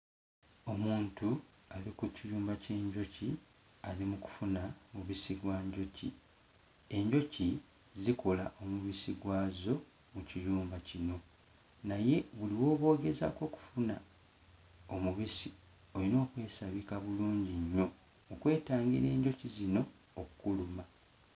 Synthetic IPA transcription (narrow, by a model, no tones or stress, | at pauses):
o̞muːntu | alikuciɾuːmbace̞ːɲɟo̞ci | alimuku̥funamuβisiɡwaɲɟo̞cḭ | e̞ɲɟo̞ci | ziko̞laʔo̞muβisiɡwaːzo̞ | muciɾuːmbacino̞ | naje̞βuliwo̞ːβo̞ːɡe̞za̰ko̞ːku̥funa | o̞muβisi | o̞lino̞ːkwe̞ːsaβikaβuluːɲɟiɲːo̞ː | kwe̞ːtaːŋɡḭɾe̞ːɲɟo̞cizino̞ː | kukuluma